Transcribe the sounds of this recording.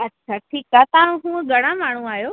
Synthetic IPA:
ɐtːʃʰaʈʰiːkaːt̪ɐãɦũːɡʱɐɽ̃ãmaːɳ̤ũaːɦjoː

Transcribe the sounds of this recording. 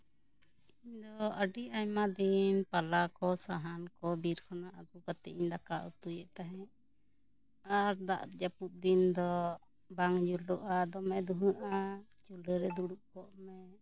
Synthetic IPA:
iiɲd̪ɔəɖiʔajmad̪inpalakɔsaɦankɔbiɾkʰɔnaʔabukat̪ɛʔiɲd̪akaʔṵt̪ujɛʔt̪aɦɛ̃ʔ | aɾd̪a̰ʔt̪d͡ʒaput̪̚d̪ind̪ɔ | baŋd͡ʒulɾɔʔad̪ɔmɛd̪uɦũʔa | t͡ʃuləɾɛd̪uɽuʔkɔʔmɛ

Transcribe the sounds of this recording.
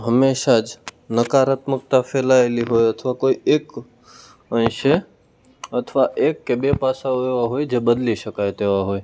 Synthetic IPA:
ɦəmeːʃad͡ʒnəkaɾət̪mək̚t̪afʰelaeliɦoːjət̪ʰʋakoːieːk | ə̃ɪʃe | ət̪ʰʋaʔeːkːebepasaoeʋaɦoːjd͡ʒeːbəd̪liʃəkajet̪eːʋaɦoːe

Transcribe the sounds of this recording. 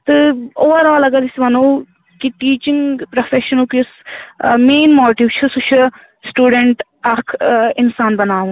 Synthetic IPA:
t̪ɨoːʋəɾaːlɐɡaːɾisʋɐnõː | kiʈiːt͡ʃɪŋɡpɾofʰeːʃənoːkismeːnmoːʈiːʋt͡ʃʰusut͡ʃʰə | sʈuːɖəɳʈ | ɐkʰɪnsaːnbɐnaːũː

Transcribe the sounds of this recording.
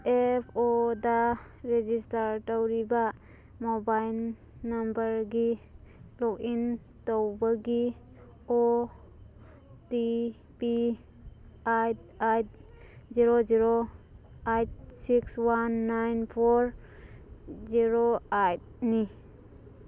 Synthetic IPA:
epʰoda | ɾed͡ʒistaɾtawɾiba | mɔbajlː | ambəɾɡilɔkin | tɔwbaɡi | o | ti | pi | ajt̚ajt̚ | ziɾoziɾo | ajt̚sikswanːajnpʰoɾ | ziɾoajt̚ni

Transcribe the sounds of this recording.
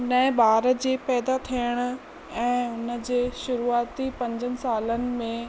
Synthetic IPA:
nɐɪ̃baːɾəd͡ʑeːpɛːd̪at̪ʰijəɽ̃ʊ̆ | ɛ̃ːʊnə̆d͡ʑeːʃʊɾuaːt̪ipɐ̃ɲd͡ʑənɪ̆saːlənɪ̆mẽ

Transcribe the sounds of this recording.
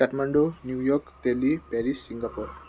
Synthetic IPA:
aʈmaɳɖonjujɔkt̪elipɛɾisːiŋɡapuɾ

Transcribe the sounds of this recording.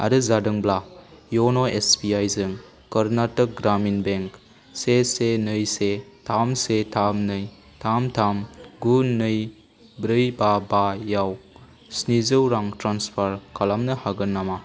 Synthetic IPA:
a̰ɾɯzadɯŋblajonoespiajzɯŋ | kɐɾnatɐk̚ɡɾaminbeŋk | sesenɯjsetʰamsetʰamnɯj | tʰamtʰamɡunɯj | bɾɯjbabajaw | snizɯwɾaŋtɾanspʰaɾkalamnɐhaɡɯnːama

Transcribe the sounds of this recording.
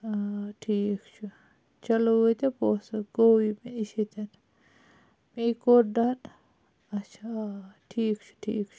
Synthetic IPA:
aʈʰiːkt͡ʃʰu | t͡ʃɐloot̪epoːsɐɡowimeiʃet̪ɐn | mikoɾɖan | ɐt͡ʃʰaʈʰiːkt͡ʃʰu̥ʈʰḭːkt͡ʃʰu̥

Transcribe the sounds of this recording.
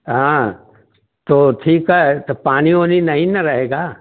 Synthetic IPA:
ɦãː | t̪oːʈʰiːkɦɛt̪opaːñiɦoːninɐɦĩnɐɾɐɦeːɡaː

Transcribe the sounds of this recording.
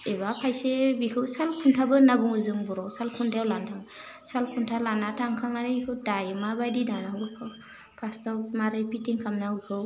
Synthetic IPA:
ebapʰajsebikʰɯwsalkʰuntʰabɯnabuŋɯzɯŋbɔɾɔwsalkʰundʰajawlantʰaŋ | salkʰuntʰalanatʰaŋkʰaŋanɯbikʰɯwdajɯmabajdinanaɦɯbɯkʰaw | pʰastʰawmaɾɯjpitiŋkʰamnaukʰɯw

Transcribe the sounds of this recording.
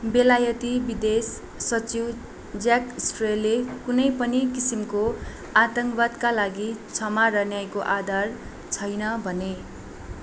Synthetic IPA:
belajʌt̪ibid̪esː | ʌt͡siw | d͡zjakisʈrelːekunʌjpʌnikisimko | at̪ʌŋkbad̪kalaɡit͡sʰʌmaɾʌnjajkoʔad̪ʱar | t͡sʰʌjnʌbʱʌne

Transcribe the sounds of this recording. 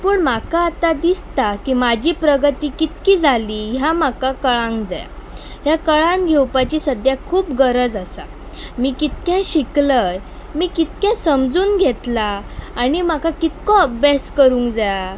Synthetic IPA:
puːɳmakaːt̪ad̪ist̪akimad͡ʑʱipɾəɡət̪iːkit̪kiːd͡zʱaliːɦjamakakəɭãŋkd͡za̰ja̰ɦjakəɭãŋɡʱewpat͡ɕiːsəd̪ʱjakʰuːpɡəɾəd͡zəsa | miːkit̪̚kjãɕikləj | miːkit̪kjãsəmd͡zuːnɡʱet̪laːnimakakit̪kɔəbʱjaskəɾuːŋkd͡zaja

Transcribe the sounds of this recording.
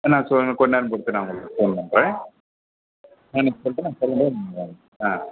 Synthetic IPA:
nãːsɔkɔnːaːɾɯmpɔɽɯt̪ːɯnãːŋɡɐɭfoːnpɐnːɾẽː | ɛnɐkːɯsɔlʈːɯnãːsɔlːɐɳɖemɐeːl | aː

